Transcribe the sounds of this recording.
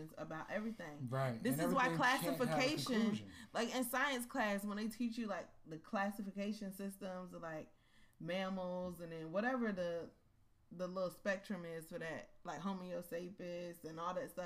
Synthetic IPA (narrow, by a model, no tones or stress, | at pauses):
ɨ̃nzə̰baʊɾʔɛvɹiθɪ̃ŋɹaɪðɪsɨzwaɪkʰl̥æsɨfɨkʰeɪʃɨ̃nlaɪkɨ̃nsaɪɨ̃nskʰl̥æswə̃nðeɪtʰit͡ʃjɨlaɪk̚ðɨkʰl̥æsɨfɨkeɪʃɨ̃nsɪstə̃mzəlaɪk̚ | mæml̩ˠzɨ̃nðɨ̃nwʌɾɛvə˞ðə | ðəlɪɾl̩ˠspɛk̚tt͡ʃɹ̥ɨ̃mɪz̥fə˞ðɨt̚laɪkɦõʊmioʊseɪpɪsɨ̃nɔlˠðɨtstʌ